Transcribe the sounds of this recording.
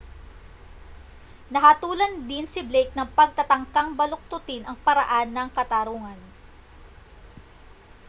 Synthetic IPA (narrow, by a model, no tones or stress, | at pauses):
nɐɦaːt̪uːlɐnd̪ɪnsɪblejt̪̚nɐŋpɐɡ̚t̪ɐt̪ɐŋkaŋbɐlok̚t̪ʊt̪ɪnʔɐŋpɐɾɐʔanːɐŋkɐt̪aɾuːŋɐn